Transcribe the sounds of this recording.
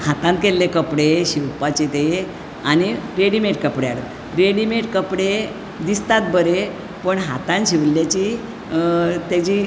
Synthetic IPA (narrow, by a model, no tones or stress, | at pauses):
hat̪ãnt̪kelːekəpɽeɕiwpat͡ɕet̪e | añiɾeɽimeʈkəpɽeaɽə | ɾeɽimeʈkəpɽe | d̪ist̪at̪̚bəɾe | pəɳɦat̪ãnɕiʋlːjat͡ɕi | t̪jat͡ɕiː